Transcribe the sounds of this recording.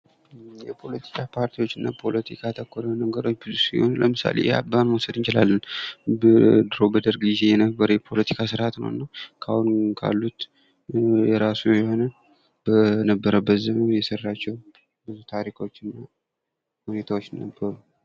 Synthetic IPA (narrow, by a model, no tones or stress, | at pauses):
jɛpʰo̞lət̪ʰi̥kʰapʰaɾt̪ʰiwo̞t͡ʃːɨnːapʰo̞lət̪ʰikʰat̪ʰəkːoɾənəɡəɾo̞t͡ʃːbɨzusiho̞nləmɨsa̰lḛja̰banwusəd̪ɨnt͡ʃɪlalːənbd̪ɨɾo̞bəd̪əɾɡize̞jɛnəbːəɾəjɛpʰo̞lət̪ʰi̥kʰasɨɾhat̪nə̰w̰nːakʰahunkʰa̰lːut̪ | jɛɾasujjɛho̞nə | bənəbːəɾəbːət̪zəmənjɛsərːat͡ʃːɛw | bɨzut̪ʰaɾikʰo̞t͡ʃːɨnːa | hune̞t̪ʰawot͡ʃːnəbːəɾu